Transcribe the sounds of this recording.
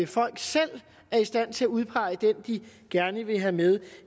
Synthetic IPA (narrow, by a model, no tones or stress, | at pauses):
fɒ̽l̰ɡ̥sel̰ | æɐisd̥æn̰t͡sʰe̝læuð̞ˠpʰɑ̈ɪəd̥end̥iɡ̥æɐnəʋe̝ɦæmeð̞ˠ